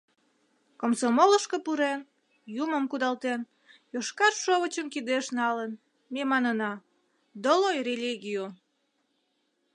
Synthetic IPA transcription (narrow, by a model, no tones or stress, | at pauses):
komsomoləʃkəpuɾen | juməmkud̪ɑlt̪en | joʃkɑrʃoβət͡ɕəmkid̪eʃnɑlən | memɑnənɑ | d̪olojrelʲiɣio